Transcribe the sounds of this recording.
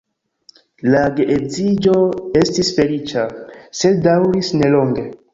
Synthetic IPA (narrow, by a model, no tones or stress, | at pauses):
laɡeʔezid͡ʒo̞e̞stisfe̞lit͡ʃase̞ddawɾisne̞lo̞ŋɡe̞